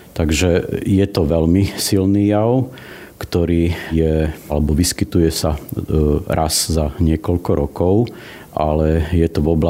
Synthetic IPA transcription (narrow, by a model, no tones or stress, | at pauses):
t̪aɡʒɛjɛt̪ɔʋɛlmisilniːjaʊ | kt̪ɔɾiːjɛalɛbɔʋiskit̪ujɛsa | ɾʔazzaɲɪɛkɔʎkɔɾɔkɔʊ | ʔa̰lɛjɛt̪ɔʋɔba